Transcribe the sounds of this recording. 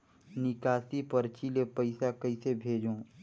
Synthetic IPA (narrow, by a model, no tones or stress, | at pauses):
nɪkaːsipɐɾt͡ʃilepɐɪsakəisebʱeːd͡ʒõː